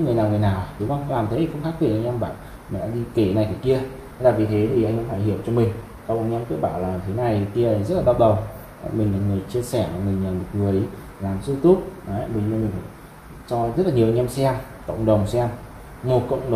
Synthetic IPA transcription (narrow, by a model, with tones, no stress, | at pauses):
ŋɨ˨˩əjnaː˨˩wŋɨ˨˩əjnaː˨˩wɗʊ˨˦ŋ͡mʔa˧wlaː˨˩mt̪ʰə˨˦t̪i˨˩xə˧wŋ͡mxa˦˥k̪̚i˨˩kʔa˧jŋʔɛ˧mɓa̰ː˧˨n | ḭ˨˧˨ɗa̰ː˧˥ɗi˧ke˧˩na˨˩jkaː˧˨˩ki˧ə˨˧ | t̪a̰ː˧˨jvi˨˩t̪ʰe˨˦t̪ʰi˨˩ʔa˧jŋʔɛ˧mfa̰˧˩jɦi˧˩˨əwt͡ɕɔ˧mï˨˩ŋ̟ | ka˧˩wʔaː˧jŋ̟ɛ˧mki˦˥ɓaː˧˩˨wlaː˨˩˨t̪ʰe˨˦na˨˩jki˧˨zə˦˥t̚laː˨˩ɓa˦˥ɗə˨˩w | mï˨˩ŋ̟laː˨˩ŋɨ˨˩əjt͡ɕi˧əsɛ˧˩˨ŋɨ˨˩əjɲaː˨˩mo˨˩t̚ŋ˨ɨ˨˩əəj | laː˨˩msɨ˧t̪u˦˥t̚a˨˦˧ɓə˧ɲɨ˧mï̟˨˩faː˧˩ | t͡ɕɔ˧zə˦˥t̚laː˨˩ɲi˨˩wʔa˧ŋ̟ɛ˧msɛ˧m | kə̰˧˨wŋ͡mɗə˨˩wŋ͡msɛ˧m | mo˨˩t̚kə̰˧˨wŋ͡mɗ